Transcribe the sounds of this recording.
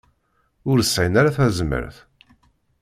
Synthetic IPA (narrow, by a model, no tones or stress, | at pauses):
ʊɾsːæjnaɾaθæzəmə̰ɾθ